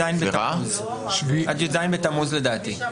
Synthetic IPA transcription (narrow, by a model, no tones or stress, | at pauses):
ajnbeʁaz | ʃviʔat̪d͡ʒezajnbet̪amuzled̪aːt̪i